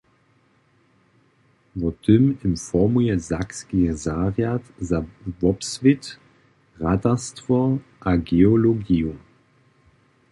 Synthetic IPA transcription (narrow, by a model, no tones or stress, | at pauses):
vɔt̪ʰʏmɪnfɔmujɛzakskizaːʁjatzavɔpsvɪt | ʁatastvɔʔaɡeɔlɔɡiu